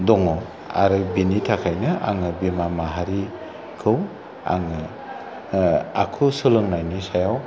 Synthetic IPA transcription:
dɔŋɔ | a̰ɾɯbinitʰakʰajnɯʔa̰ŋɯbimamaɦaɾi | kʰɯw | a̰ŋɯ | akʰɯsɯlɯŋnajnisajaw

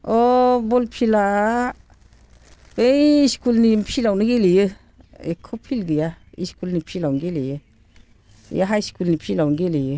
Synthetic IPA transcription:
obolpʰila | beiʃkulnimpʰilawniɡilijə | ḛkʰopʰilɡijaḭʃkulnipʰilawŋɡilijə | jaɦaiskulnipʰilawŋɡilijə

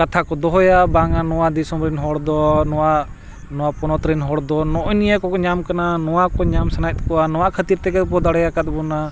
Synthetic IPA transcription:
kat̪ʰakɔd̪ɔɦɔjabaŋanɔwad̪isɔmɾɛnɦɔɽd̪ɔnɔwa | nɔwapɔnɔt̪ɾɛnɦɔɽd̪ɔnɔʔɔnijakɔkɔɲamkananɔwakɔɲamsanajt̪̚kɔanɔwakʰət̪iɾt̪ɛkɛpɔd̪aɽɛjakat̪̚bɔna

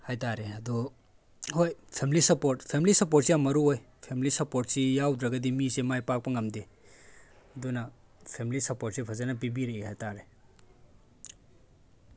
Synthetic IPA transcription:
hajtaɾeɐdu | hojpʰemilisɐpoɾtpʰemlisɐpoɾt̚sijamɐɾuoj | pʰemilisɐpoɾt̚sijawdɾɐɡɐdimisemajpak̚pɐŋɐmde | ɐdunɐ | pʰemlisɐpot̚sipʰɐzanɐp̬ibiɾeihajtaɾe

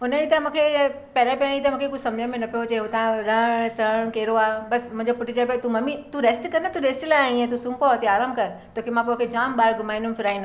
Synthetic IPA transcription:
ʊnəit̪ãmũːkʰe | pɐɾẽpɛɾ̃ẽit̪ãm̃ːkʰekʊd͡ʑʱsɐ̃md͡ʑə̃mẽnɐpijot͡ɕeːɦot̪ãɾɐ̃ɽ̃sɐɽ̃keːɾoaːbɐsmʊ̃ɦɪ̃d͡ʑopʊʈʰɪt͡ɕəpijot̪umɐmit̪uɾeːsʈkɐɾnat̪uɾeːsʈlaːjĩẽt̪usũːmpot̪iaːɾaːmbkɐɾt̪oːkimãp̬okʰed͡ʑaːmɓaːɾɡʊmaːɪĩnʊ̃mfɪɾaːĩnd̪

